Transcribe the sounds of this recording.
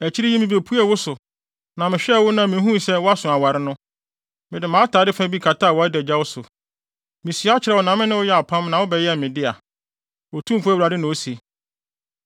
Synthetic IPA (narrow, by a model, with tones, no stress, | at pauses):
æ˨t͡ɕʰi˦ɾɪ˦ji˦mĩ˨be˨pʰu˦ɛ˨wʊ˦sʊ˨ | nã˨mɪ̃˨ɕᶣɛ˦˨wʊ˦nã˨mɪ̃˨˦ɦũ˦sɛ˦wʊ˦a˦sʊ̃˨a˨wa˨ɾɪ˦nʊ̃˦ | mɪ̃˨dɪ˨mãː˨˦tʰaː˨˦dɪ˦fã˦bi˦kʰa˨ta˦˨wɔ˨a˦dɛ˨d͡ʑa˦wʊ˦sʊ˨ | mɪ̃˨si˨˦a˦t͡ɕʰɪ˨ɾɛ˨wɔ˨nã˨mɪ̃˦nɪ̃˦wʊ˦jɛ˦a˨pʰã˦mnã˨wʊ˦bɛ˨jɛ˦ɛ˨mɪ̃˨dɪ˦a˨ | wɔ˨tʰũ˦m˨fu˦æ˦wɾa˨dɪ˦nʊ̃˨o˦si˨